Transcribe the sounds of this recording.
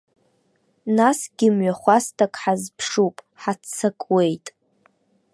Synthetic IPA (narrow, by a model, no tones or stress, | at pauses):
nasɡʲɪmɥaχʷastʰakʼħazpʰʂupʼ | ħat͡sʰakʼwe̞jtʼ